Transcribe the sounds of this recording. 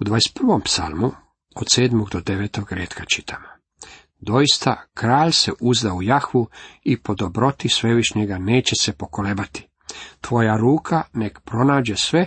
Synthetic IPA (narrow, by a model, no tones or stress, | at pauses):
ud̪ʋaːjest̪̚pr̩ʋo̞mpsa̰lˠmu | od̪seːd̪moɡd̪o̞d̪e̞ʋeːt̪o̞ɡɾeːt̪kat͡ʃit̪ʰama | d̪o̞jist̪akɾaːʎseʔuzd̪aujaxʋuipo̞d̪o̞bɾo̞t̪isʋe̞ʋiʃɲeɡane̞ːt͡ɕesepo̞kolebat̪i̥ | t̪ʋo̞jaɾuːkʰane̞kpɾo̞naːd͡ʑesʋe̞